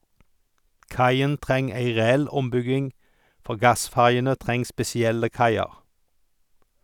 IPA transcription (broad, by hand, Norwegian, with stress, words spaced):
ˈkɑɪən ˈtʁɛŋ ˈæɪ ʁɛˈɛl ˈɔmˌbʏɡɪŋ ˈfɔʁ ˈɡɑˌsfæʁjənə ˈtʁɛŋ spɛsɪˈɛlə ˈkɑɪɑʁ